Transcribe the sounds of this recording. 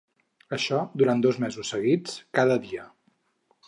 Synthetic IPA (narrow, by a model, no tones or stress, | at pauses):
əʃɔd̪uɾand̪ozmɛzusːəɣit͡skaðəðiə